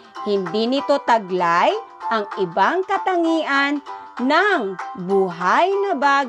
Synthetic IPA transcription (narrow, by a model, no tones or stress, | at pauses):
hɪnd̪inɪt̪o̞t̪ɐɡlajʔɐŋʔɪbaŋkɐt̪ɐŋiːʔanːaŋbuɦajnɐbaɡ